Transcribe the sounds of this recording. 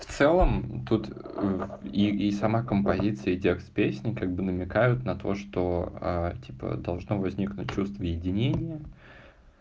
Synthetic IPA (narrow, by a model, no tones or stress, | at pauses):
ft̪sɛlˠəmt̪ut̪əiisɐmakəmpɐzʲit̪sɨjədʲekspʲesʲnʲɪkaɡ̚bɨnəmʲɪkajʊt̪nɐt̪o̞ʂt̪oa̰tʲʰipə̰d̪ɐlˠʐno̞vɐzʲnʲiknʊt̚ʲt͡ɕːust̪vəjɪdʲɪnʲenʲɪjə